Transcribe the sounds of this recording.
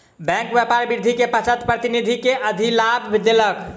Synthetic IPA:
bɛ̃ŋkbepaɾbiɾd̪ʱikepət͡ʃʰət̪pɾət̪inid̪ʱikeʔəd̪ʱilabʱed̪elək

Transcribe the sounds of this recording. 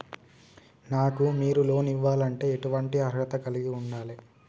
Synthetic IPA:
naːkumiːɾulo̞ːniʋːaːlɐɳʈe̞ːeʈuʋɐɳʈiɐɾɡɐt̪ɐkɐliɡiuɳɖaːli

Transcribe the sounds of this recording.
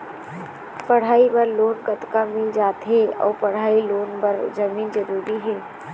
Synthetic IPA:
pɐɽ̤aːibɐɾloːnɡət̪kamẽd͡ʒaːt̪ɦɛɔ̰ːpɐɽ̤aːiloːnbəɾd͡ʒɐmiːnd͡ʒəɾuːɾiɦɛː

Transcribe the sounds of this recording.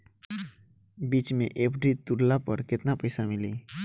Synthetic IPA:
biːt͡ʃmḛ̃ʔeːpɖɾit̪ʊɾlapə̰ɾkɪt̪napɐɪsamɪliː

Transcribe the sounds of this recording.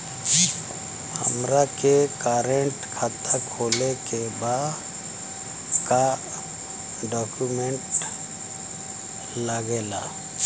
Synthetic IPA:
hə̰mɾakekaːɾeɳʈkʰaːt̪akʰoːlekebaːd̪ | ka | ɖɔːkumẽɳʈ | ləɡeːla̰ː

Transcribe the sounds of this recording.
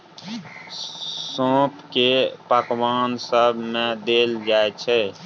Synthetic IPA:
sõːpʰkepakʋaːnsəbʱmẽd̪eld͡ʒaet͡ʃʰɛ

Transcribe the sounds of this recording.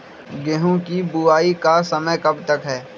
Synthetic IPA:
ɡɛɦõkibʊaːikasɐməjkɐbt̪ɐkɦɛː

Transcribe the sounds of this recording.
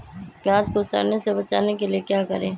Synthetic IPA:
pjaːd͡ʒkosa̰ːɾnesebɐt͡ʃa̰ːnekeliekjaːkɐɾẽː

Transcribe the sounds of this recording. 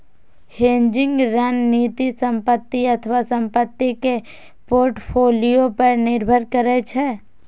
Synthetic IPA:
hẽːɲd͡ʒɪ̃ŋɡɾaːnniːt̪isə̃mpət̪ːiɐt̪ʰəʋasə̃mpət̪ːike | poːɾʈpʰoːlijopəɾnɪɾbʱəɾkəɾet͡ʃʰe

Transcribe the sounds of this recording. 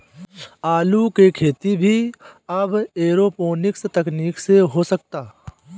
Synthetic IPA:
aːlukekʰeːt̪ibʱiɐbeːɾoːpoːnɪkst̪ɐkniːkseɦosək̚t̪aː

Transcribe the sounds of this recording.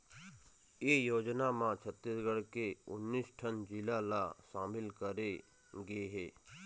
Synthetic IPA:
jeːjoːd͡ʒnamãt͡ʃʰət̪ːɪsɡəɽkeʊnːiːsʈʰənd͡ʒɪlalaʃaːmɪlkəɾe | ɡɐeɦɛː

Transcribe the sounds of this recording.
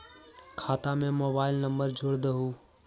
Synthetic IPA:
kʰaːt̪amẽmoːbaːɪlnəmbəɾd͡ʒʱʊɽd̪əɦuː

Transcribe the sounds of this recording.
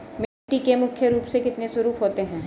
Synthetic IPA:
m | ʈikemʊkʰjəɾuːpsekɪt̪nesʊɾuːpɦoːt̪eɦɛ̃ː

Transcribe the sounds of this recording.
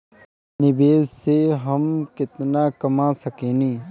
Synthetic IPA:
nɪbeːzseɦəmkɪt̪naːkɐmaːsəkẽːnĩː

